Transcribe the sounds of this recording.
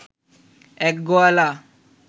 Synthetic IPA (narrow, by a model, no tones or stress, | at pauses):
ɛkɡɔala